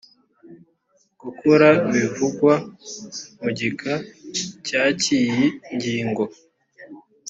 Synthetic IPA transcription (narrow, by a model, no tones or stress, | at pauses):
ɡ̥ukʰuɾaβivuɡwa | muɟikʰacacijiɲɟiːŋɡo